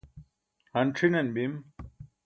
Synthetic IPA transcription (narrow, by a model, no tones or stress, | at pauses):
hɐnʈ͡ʂʰinɐnbim